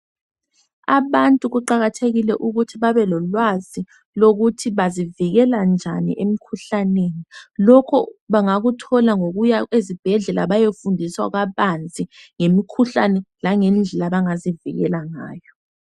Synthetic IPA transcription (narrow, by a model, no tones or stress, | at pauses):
a̰βantʼuɣuǃaɣatʰeɣilɛ̰ʔuɣutʰiβaβɛlɔlwazi | loɣutʰiβaziviɣɛland͡ʒʱanḭʔemikʰuɬaneːnilɔkʰɔβaŋaɣutʰɔlaŋoɣujaezib̥ʱɛɮɛlaβajefundʱiswa̰ɣaβant͡sʼiŋemikʰuɬanɛlaŋɛnd͡ɮʱɛlaβaŋazivḭɣɛ̰laŋa̰ːjɔ